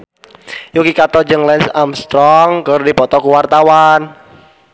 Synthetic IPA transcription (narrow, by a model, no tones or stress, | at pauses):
jukikat̪ɔd͡ʒɨŋlɛnsamst̪ɾɔŋkəɾdipɔt̪ɔkuwart̪awan